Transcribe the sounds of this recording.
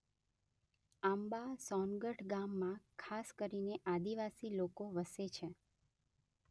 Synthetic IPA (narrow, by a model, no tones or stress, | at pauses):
ambasɔnɡəʈʰɡamːãkʰaskəɾineʔad̪iʋasilokoʋəset͡ʃʰe